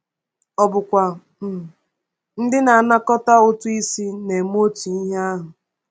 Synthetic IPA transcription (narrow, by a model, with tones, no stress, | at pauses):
ɔ˨bʊ˨kʷa˨ | m̩˨ | n̩˦dɪ˦na˨a˨na˦kɔ˦ta˦ʊ˦tʊ˦i˦si˦ne˨m˦o˦t͡ʃi˨i˦ɦa˦ɦʊ˨